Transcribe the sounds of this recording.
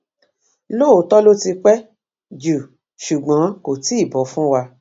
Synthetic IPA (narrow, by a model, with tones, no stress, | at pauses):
lo˦˨o˨˦tɔ˦lo˦ti˧k͡pɛ˦ | d͡ʒu˨ | ʃu˨ɡ͡bã˨˦ko˨ti˦˨bɔ˨˦fũ˦wa˧